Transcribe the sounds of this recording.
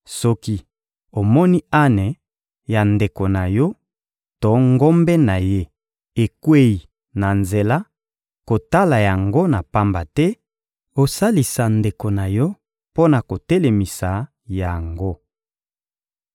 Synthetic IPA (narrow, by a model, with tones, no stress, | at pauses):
sɔ˦ki˦ | o˨mɔ˦ni˦a˦ne˨ | ja˨nde˨ko˨na˨jɔ˦ | tɔ˨˦ŋɡo˦mbɛ˦na˨je˦ | e˨kwe˦i˨ | na˨nze˨la˦ | ko˨ta˦la˨ja˨ŋɡo˦na˨pa˦mba˨tɛ˦ | o˨sa˦li˨sa˨nde˨ko˨na˨jɔ˦ | po˦na˨ko˨tɛ˦le˨mi˨sa˨ | ja˨ŋɡo˦